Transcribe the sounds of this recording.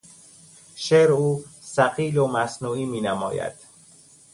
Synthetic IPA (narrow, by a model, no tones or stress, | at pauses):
ʃeːɾuːsæqiːlomæsnuːiːmiːnæmɒ̰ːjæ̰d̪̥